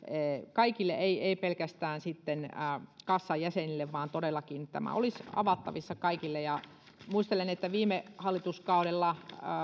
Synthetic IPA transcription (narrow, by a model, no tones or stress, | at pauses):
eːkɑikilːeʔeieipelkæst̪æːnsit̪ːenːkɑsːɑjjæsenilːeʋʋɑːnt̪oɾelːɑkint̪æ̰mæ̰o̰lisɑ̰ʋɑt̪ːɑ̰ʋisːɑkɑikilːejɑ | muist̪elenet̪ːæʋiːmehɑlːit̪uskɑuɾelːɑ